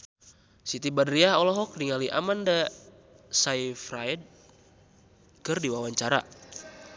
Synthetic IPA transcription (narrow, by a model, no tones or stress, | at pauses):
sit̪ibadɾiaɦɔlɔɦɔk̚niŋaliʔa̰manda | saifraid̚ | kɨrdiwawaɲt͡ʃaɾa̰